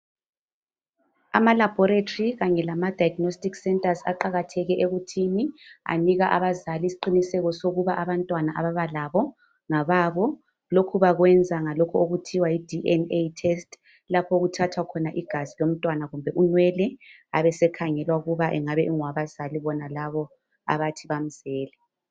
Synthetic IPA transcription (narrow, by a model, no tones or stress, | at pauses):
a̰malab̥ʱɔɾetʰʼoriɣaɲɛlamad̥ʱajaɡnostʼiksɛntʼaza̰ǃaɣatʰɛɣɛʔeɣutʰinia̰niɣaʔa̰βazalisiǃinisɛɣɔsoɣuβaʔaβantʼwanaʔa̰βaβalaβɔ | ŋaβaːβɔ | lokʰuβaɣwɛnd͡zʱaŋalɔkʰɔoɣutʰiwaid̥ʱiʔɛnetʰɛstʰʼ | lapʰɔɣutʰatʰwakʰɔnaʔiɡ̥ʱazilom̩tʼwanaɣumbʱɛʔunwɛlɛ | aβɛsɛkʰaŋɛlwauɣuβaʔɛŋaβɛʔuŋwaβaz̥aliβɔnalaβɔ | a̰βatʰiβam̩z̥ɛːlɛ